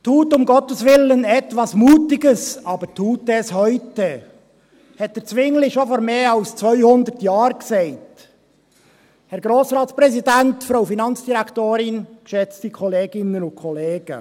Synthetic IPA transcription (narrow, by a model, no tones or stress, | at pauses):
thuːtːʊmɡɔtəsʋɪlənɛt̪ʋɑsmuːtɪɡəsɑbəɾtʰuːtːɛshœʏtə | hɛtːəɾt͡sʋɪŋlɪʃofɔɾmeːɑlst͡sʋœʏhʊnd̪əɾtjɑːɾksɛɪt | hɛɾɡɾoːsɾɑːtspɾɛsidæntfɾowfinɑnt͡sd̥iɾækʰt̪oːɾɪnkʃɛt͡stikʰɔleːɡɪnənʊnkʰɔleːɡ̥ə̰